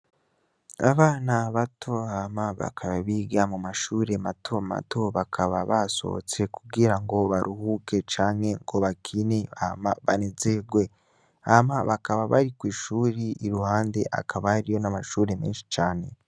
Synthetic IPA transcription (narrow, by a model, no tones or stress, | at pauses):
aβaːnaβatʰo̞amaβa̰kʰaβaβiɡamumaʃuːɾe̞matʰo̞ma̰tʰo̞βakʰaβaβaso̞̰o̰t͡se̞kuɡiɾaŋɡo̞βaɾʔuhuke̞t͡ʃaːŋhe̞ŋɡo̞βakʰine̞amaβa̰nezeɡwe̞ | amaβakaβaβa̰ɾikwiːʃuːɾiʔiɾuhaːnde̞ʔa̰kʰaβahaɾijo̞namaʃuːɾe̞meːnʃi̥t͡ʃaːne̞